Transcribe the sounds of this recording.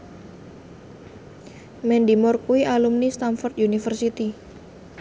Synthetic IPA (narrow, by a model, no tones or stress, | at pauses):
mɛndimɔrkuiʔalumnist̪anfɔrt̪̚junifərsit̪i